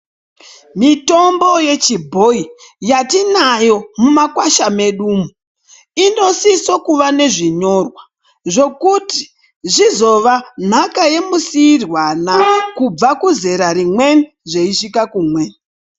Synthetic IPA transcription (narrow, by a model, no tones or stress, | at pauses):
mito̞mbo̞je̞t͡ʃibʱo̞ijatinajo̞mumakwaʃame̞ɗuːmu | ino̞sisokuʋane̞ʐiɲo̞rwa | ʐo̞kuti̥ | ʐizo̞ʋan̤akaje̞musiːrwanakub͡vakuze̞ɾaɾimwe̞n | ʐeiʂikakumwen